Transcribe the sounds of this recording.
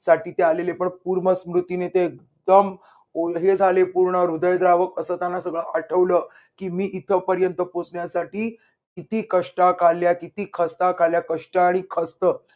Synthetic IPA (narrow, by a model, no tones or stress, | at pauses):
saʈiːt̪ealelepəɳpuɾməsmɾut̪inet̪eek | d̪əm | oɦed͡zʱalepuɾɳəɾud̪əjd̪ɾaʋəkəsəːt̪janːasəɡɭəʔaʈʰəʋlə | kiːmiːʔit̪ʰəpəɾjənt̪əpot͡sɳjasaʈiː | kit̪iːkəʂʈakʰaljakit̪iːkʰəst̪akʰaljakəʂʈaaɽ̃ikʰəst̪ə